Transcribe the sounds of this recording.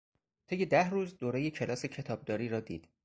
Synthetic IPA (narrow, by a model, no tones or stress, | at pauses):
t̪ʰejed̪æhruːzd̪oːɾejecʰe̞lɒːse̞cʰe̞t̪ʰɒːb̚d̪ɒːɾiːɾɒːd̪ḭːd̪̥